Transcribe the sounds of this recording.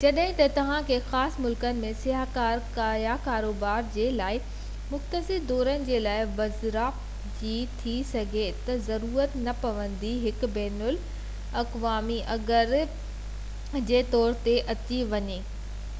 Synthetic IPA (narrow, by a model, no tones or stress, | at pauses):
d͡ʑɐɗɦɪ̃t̪ɐt̪ɐʋ̤ãkʰeːxaːsmʊlkənɪ̆mẽsɪɦakaːɾkaːjakaːɾoːbaːɾd͡ʑeːlaːɪ | mʊxt̪əsɪɾd̪ɔːɾənɪ̆d͡ʑeːlaːɪʋɐzɾaː | d͡ʑit̪ʰisɐɡʱet̪ɐzɐɾuːɾət̪nɐpɐʋə̃nd̪iɦɪk̆bɛːnʊl | ɐqʋaːmiʔɐɡəɾ | d͡ʑeːt̪ɔːɾt̪eʔɐt͡ɕiʋɐɲeː